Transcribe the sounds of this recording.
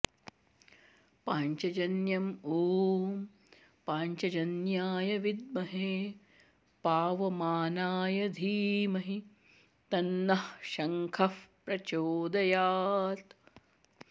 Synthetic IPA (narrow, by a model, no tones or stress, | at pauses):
paːɲt͡ʃɐd͡ʒɐnjɐmoːm | paːɲt͡ʃɐd͡ʒɐnjaːjɐʋid̪̚mɐɦeː | paːʋɐmaːnaːjɐd̪ʱiːmɐɦi | t̪ɐnːɐhʃɐŋkʰɐfpɾɐt͡ʃoːd̪ɐjaːt̪